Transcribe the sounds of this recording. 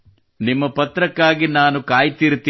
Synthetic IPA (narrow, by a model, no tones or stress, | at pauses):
nimːɐpɐt̪ɾɐkːaːɡinaːnukaːjt̪iɾut̪ːi